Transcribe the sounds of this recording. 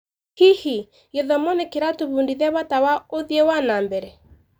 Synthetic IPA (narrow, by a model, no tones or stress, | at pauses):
hihi | jɛðɔmɔnekeɾatoβundiðɛβatawaoðiewanaːmbɛɾɛ